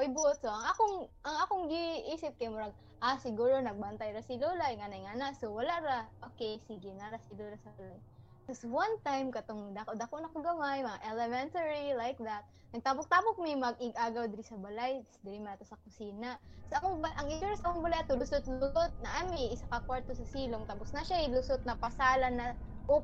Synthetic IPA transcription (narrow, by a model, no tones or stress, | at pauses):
ʔojbt̪̚soʔɐŋʔakoŋʔɐŋakoŋɡiʔiːsɪp̚kɐjmʊɾaɡ̚ | ʔasɪɡuːɾonɐɡ̚bɐnt̪ajɾasɪloːlajŋanajŋanasowɐlaʔɾaʔoːkɛjsiɡɪnaɾasɪlolasɐbɐlaj | koswɐnt̪ajmkɐt̪oŋd̪akod̪akonɐkɐɡɐmajmɐŋaʔɛlɛmɛnt̪ɐɹilajk̚d̪at̪̚ | nɐɡ̚t̪aːpok̚t̪aːpok̚mɛmɐɡɪɡʔaːɡɐwd̪ɪɾɪsɐbɐlajsd̪ɪɾɪmat̪osɐkʊsiːnasoʔɐkobɐʔɐŋɪt͡ʃuɾɐsɐkoŋbɐlajat̪olʊsot̪̚lʊsot̪̚nɐʔamɪʔɪsakɐkwaɹt̪osɐsiːloŋt̪apʊsnɐʃaɪlʊsot̪̚nɐpɐsaːlɐnɐ | ʔo